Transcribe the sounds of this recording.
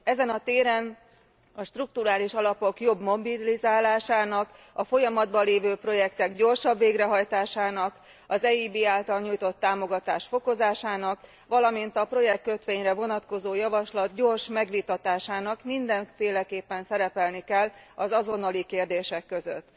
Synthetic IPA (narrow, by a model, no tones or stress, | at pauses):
ɛzɛnɒt̪eːɾɛn | ɒʃt̪ruk̚t̪uɾaːliʃɒlɒpo̞kjo̞bmo̞bilizaːlaːʃaːnɒk | ɒfo̞jɒmɒd̪bɒleːvøːpro̞jɛkt̪ɛɡɟo̞rʃɒbːeːɡrɛɦɒjt̪aːʃaːnɒk | ɒzɛiːbiːaːlt̪ɒlɲuːjt̪o̞t̪ːaːmo̞ɡɒt̪aːʃfo̞ko̞zaːʃaːnɒk | ʋɒlɒmint̪ɒpro̞jɛkkøt̪ʋeːɲrɛvo̞nɒt̪ko̞zoːjɒvɒʃlɒt̪̚ɟo̞ːrʃmɛɡʋit̪ɒt̪aːʃaːnɒkmind̪ɛɱfeːlɛkeːpːɛnsɛɾɛpɛlnikɛlːɒzɒzo̞nɒlikeːrd̪eːʃɛkːøzø̰t̪ː